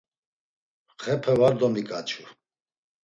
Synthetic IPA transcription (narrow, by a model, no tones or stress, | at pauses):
χɛpʰɛvaɾd̪ɔmikʼat͡ʃʰu